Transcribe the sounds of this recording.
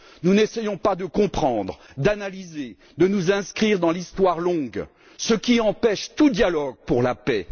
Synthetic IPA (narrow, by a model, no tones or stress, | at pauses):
nunesɛjɔ̃pad̪əkɔ̃pχɑ̃d̪ʁ | d̪analize | d̪ənuzɛ̃skχiʁd̪ɑ̃list̪waʁlɔ̃ɡ | səkʲiɑ̃pɛʃt̪ud̪jalɔɡ̚puʁlapɛ